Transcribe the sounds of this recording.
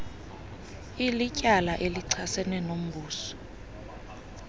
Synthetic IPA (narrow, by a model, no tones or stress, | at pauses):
ilicʼalaʔeliǀʰasɛnɛnom̩buːsɔ̥